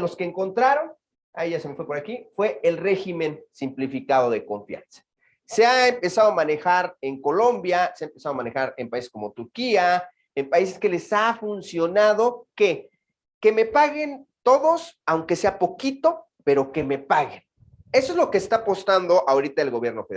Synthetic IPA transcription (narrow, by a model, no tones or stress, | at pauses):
lo̞skeːŋko̞nt̪ɾaɾo̞n | a̰eʝaseme̞fwe̞po̞ɾakifwe̞elre̞ximẽ̞nsimplifikað̞o̞ðeko̞ɱfja̰nsḁ | seaempe̞saðo̞amane̞xaɾe̞ŋko̞lo̞mbjaseaempe̞saðamane̞xaɾe̞mpaise̞sko̞mot̪uɾkia | empais̬e̞ske̞le̞safunsjo̞naðo̞ke̞ | ke̞me̞paɣe̞nt̪o̞ðo̞sawŋke̞se̞apo̞kit̪o̞ | pe̞ɾo̞ke̞me̞paɣen | e̞soezlo̞ke̞ːst̪aːpo̞st̪and̪o̞ʔaoɾit̪aelɣoβje̞ɾno̞feð